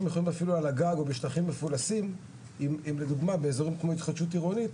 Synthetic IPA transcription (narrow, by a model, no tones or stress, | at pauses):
mjeχolimafilualaɡaɡo̞beʃtaχimːe̞fulasim | imimled̪uɡmabe̞ːzo̞ʁimkmo̞it̪χad̪ʃut̬iʁonit